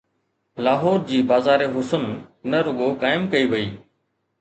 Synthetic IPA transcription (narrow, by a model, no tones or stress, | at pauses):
laːɦoːɾd͡ʑiːbaːzaːɾeːɦʊsənnəɾʊɠoːkaːɪmkəiːʋɐiː